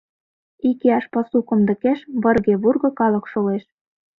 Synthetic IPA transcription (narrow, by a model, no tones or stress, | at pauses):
ikeɑʃpɑsukɤ̆md̪ɤ̆keʃβɤ̆rɣeβurɣɤ̆kɑlɤ̆kʃoleʃ